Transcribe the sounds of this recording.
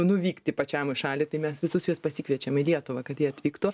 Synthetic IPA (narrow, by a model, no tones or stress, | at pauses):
nʊʋʲiːkt̪ʲɪpɐt͡ʃʲæmɪʃɑːlʲɪt̪ɐɪmʲɛsʋʲɪsʊsjuɔspɐsʲiːkʋʲiɛt͡ʃʲɛmɪlʲiɛt̪ʊʋɐkɐt̪jiɛɐt̪ʲʋʲiːkt̪uː